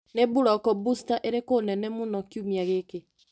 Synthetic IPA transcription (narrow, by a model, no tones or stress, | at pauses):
nebuɾɔkɔbustaʔeɾekonɛnɛmonɔkjumiaɣeke